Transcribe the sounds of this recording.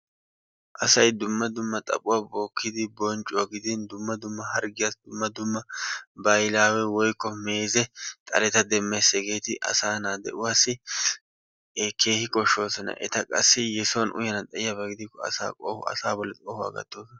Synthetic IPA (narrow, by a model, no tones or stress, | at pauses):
ʔɐsɐjd̪ʊmːɐd̪ʊmːɐt̪ʼɐ̰pʼʊwaːbo̞ːkːɪd̪ɪbɔnt͡ʃʼːʊwaɡɪd̪ɪnd̪ʊmːɐd̪ʊmːɐhɐɾɡɪjasd̪ʊmːɐd̪ʊmːɐbɐjlaːwɛwɔjkːɔme̞ːzɛt̪ʼɐ̰lɛt̪ɐd̪ɛmːesɛɡe̞ːt̪ɪʔɐ̰saːnaːd̪ɛ̰ʔʊwaːsːɪ | ke̞ːhɪkʼɔʃːo̞ːsɔnɐ̰ʔɛ̰t̪ɐkʼɐsːɪjɛsonʔʊ̰jɐnɐt̪ʼɐɪjabɐɡɪd̪ɪkːɔɐ̰sa̰ːkʼo̰ːhɐ̰saːbɔlːɛt̪ʼoːhʊa̰ɡɐ̰t̪ːoːsɔnɐ